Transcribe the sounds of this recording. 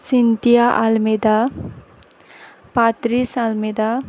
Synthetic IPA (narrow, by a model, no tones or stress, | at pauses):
sint̪ijaʔalmed̪a | pat̪ɾisalmed̪a